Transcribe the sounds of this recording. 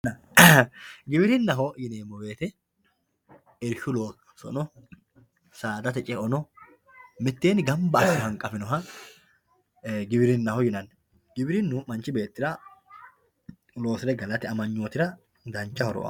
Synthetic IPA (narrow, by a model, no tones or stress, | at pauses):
ɡɪbɪɾɪnːɐɦɔjɪneːmːɔbe̞ːt̪ɛ | ɛɾʃʊloː | sɔ̰nɔ | saːd̪ɐt̪ɛt͡ʃʼɛʔɔnɔ | mɪt̪ːeːnɪɡɐmbɐɐsɔhɐŋkʼɐfɪnɔɦɐ | ɡɪbɪɾɪnːɐhɔjɪnɐnː | ɡ̥ɪbɪɾɪnːʊmɐnt͡ʃɪbe̞ːt̪ːɪɾɐ | lo̞ːsɪlɛɡɐlɐt̪ɪɐmɐɲːoːt̪ɪɾɐ | d̪ɐnt͡ʃːɐhɔɾɔ̰ʔɐ̰